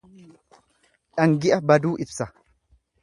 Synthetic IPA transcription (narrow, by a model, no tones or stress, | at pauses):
ᶑɐŋɡɪʔɐbɐd̪uːʔɪbsɐ